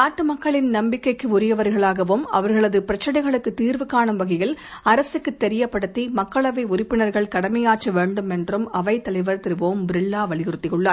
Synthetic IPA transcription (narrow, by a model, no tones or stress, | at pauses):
aːʈːɯmɐkːɐɭɪnnɐmbɪkːɐɪkːɯʊɾɪjɐʋɐɾɣɐɭaːɣɐʋɯmɐ̰ʋɐɾɣɐɭɐðɯpɪɾɐt͡ʃːɐɽɐɪɣɐɭɯkːɯt̪iːɾʋɯkaːɳɯmʋɐɣɐjɪl | ɐɾɐsɯkːɯt̪ːɛɾɪjɐpːɐɽɯt̪ːimɐkːɐɭɐʋɐɪʊrɪpːɪnɐɾɣɐɭkɐɽɐmɐjaːʈt͡ʃːɐʋeːɳɖɯmɛndrɯmɐʋɐɪt̪ːɐlɐɪʋɐɾt̪ɪɾɯʋoːmbɪɾɪɭːaːʋɐɭɪɣɪɾɯt̪ːɪjɯɭːaːɾ